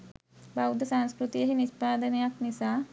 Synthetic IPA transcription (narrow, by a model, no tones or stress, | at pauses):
bawud̪ʱɐsanskɾut̪ijɐɦiniʃpaːd̪ɐnjaknisa